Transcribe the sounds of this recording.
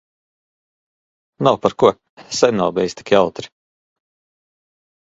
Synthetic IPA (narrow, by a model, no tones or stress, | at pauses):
nawpaɾkuɐ | sɛjnaːbʲɛjst̪i̥kʲiawt̪ɾi̥